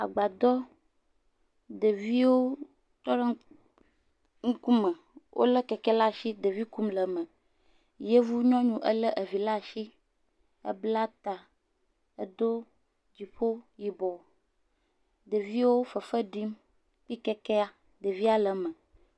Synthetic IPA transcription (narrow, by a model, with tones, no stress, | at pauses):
a̰˨ɡ͡ba˨d̪ɔ˦ | d̪ə˨vi˦wo˦ | t̪ɔ˦ɖɛ˦ | ŋu˦ku˦mə˨ | wʔo̰˦lə˦kɛ˨kɛ˦la˦ʃi˦d̪e˨vi˦ku˦mlə˨mə̃˨ | je˦vu˦ɲɔ̃˦ɲũ˦ʔə˦lə˦ʔe˨vi˨la˦˨ʃi˦ | ə̰˦bla˦t̪a˨ | e˦d̪o˦ | d͡ʑi˨ɸo˦ji˨bɔ˨ | d̪ə˨vi˦wo˦fə˨fə˦ɖi˦m | k͡pi˦kɛ˦kɛ˦a˨ | d̪ə˨vi˦a˨lə˨mə̃˨